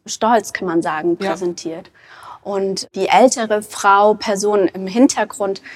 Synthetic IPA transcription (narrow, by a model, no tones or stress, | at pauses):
ʃtɔlt͡skʰanmanzaːɡŋ̩pʁ̥ɛzɛntʰiːɐt | ʔʊntd̥iːʔɛltʰəʁəfʁ̥aʊpʰɛɐzoːnənɪmɦɪntʰɐɡʁʊnt